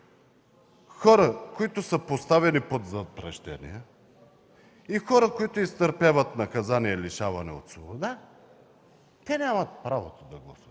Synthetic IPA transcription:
xɔɾəkoit̪ʊsəpost̪avɛnipot̪zɐpɾɛʃt̪ɛ̰nḭjɛ | ixɔɾəkoit̪oist̪əɾpavət̪nɐkɐzaniɛliʃavɐnɛo̰t̪svobod̪a | t̪ɛnʲamɐt̪̚pɾavot̪od̪ɐɡlˠɐsət̪

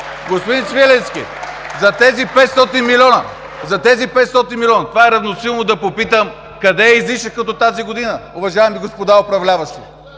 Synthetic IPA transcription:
ɡospod̪insvilɛnskḭ | zɐt̪ɛzipɛt̪st̪ɔt̪inmilʲɔnə | zɐt̪ɛzipɛt̪st̪ɔt̪inmilʲɔnɐt̪ovaɛɾɐvnosilˠnod̪ɐpopit̪əm | kɐd̪ɛːizliʃəkɐt̪ɔt̪aziɡod̪inəʊvɐʒaɛmiɡospod̪aopɾɐvlʲavɐʃt̪i

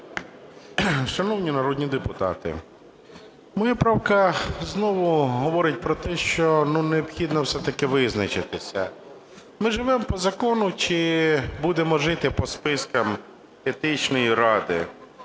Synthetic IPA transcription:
ʃɐnɔwnʲinɐɾɔd̪ʲnʲid̪epʊt̪ɑ̰t̪ɪ̰ | mɪjɛpɾɑwkɐznɔʋʊɦɔʋɔɾɪt̚ʲpɾɔt̪ɛʃt͡ʃɔnuneɔpxʲid̪nɔwsɛt̪ɐkɪʋɪznɐt͡ʃɪt̪ɪsʲɐ̰ | mɪʒɪʋɛmpɔzɐkɔnʊt͡ʃɪbud̪emɔʒɪt̪ɪpɔspɪskɐm | et̪ɪt͡ʃnɔjiɾɑd̪ɪ̰

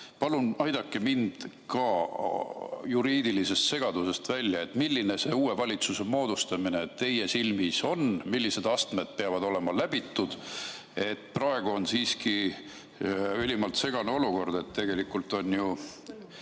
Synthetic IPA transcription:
pɑlunɑjd̪ɑkːˑemind̪̥ | kɑ | juɾiːd̪̥ilise̞st̪se̞ɡ̥ɑd̪use̞st̪vælʲːjɑe̞t̪ːmilʲːine̞seuːe̞vɑlʲit̪suse̞mo̞ːd̪̥ust̪ɑmine̞ːt̪t̪ːe̞jesilmiso̞nmilːise̞d̪̥ɑst̪med̪̥̚peɑvɑd̪̥o̞le̞mɑlæb̥it̪ːud̪̥ | e̞t̪ːˑprɑe̞ɡ̥uo̞nsiːski | ylimɑlt̪se̞ɡ̥ɑnuo̞luko̞rd̪̥e̞t̪t̪ːe̞ɡ̥e̞likːult̪ˑo̞nju

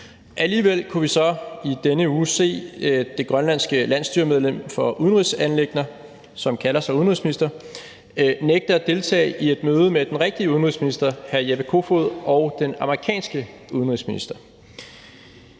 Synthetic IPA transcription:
ʔæliːʋel̰kʰuʋisɒ̽id̥enəuːse̝̰ːd̥e̝ɡ̥ʁɶnlæn̰sɡ̥əlæn̰sd̥yɐmeð̞ˠlem̰fɒ̽ʔuð̞ˠən̩ʁisænle̝ɡ̥nɐ | sɒ̽mkʰælɐsɑuðˠnʁḭsminisd̥ɐ | neɡ̥̚d̥əæd̥e̝lt͡sʰɛ̰ːie̝d̥møːð̞ˠəmed̥enʁɛɡ̥̚d̥iəuðˠn̩ʁḭsminisd̥ɐhæɐjeʋəkʰo̝foðˠɒʊd̥enɑ̈mɐʁikʰɛ̰ːnsɡ̥əuð̞ˠən̩ʁisminisd̥ɐ

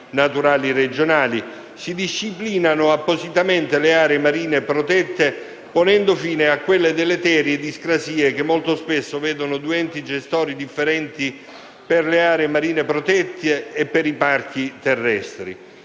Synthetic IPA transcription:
nat̪uɾaːlired͡ʒonaːli | sid̪iʃːipliːnanʊapːosit̪ament̪eleaːɾeːmaɾiːnepɾot̪ɛt̪ːe | ponɛnd̪ofiːneakːwelːed̪elːet̪ɛːɾjed̪iskɾasiːek̟emːolt̪ospesːovɛːd̪onʊd̪uɛnt̪id͡ʒest̪ɔːɾid̪ifːeɾɛnt̪i | perleaːɾeːmaɾiːnepɾot̪ɛt̪ʰːeːpːeɾipark̟it̪ɛrːɛst̪ɾḭ

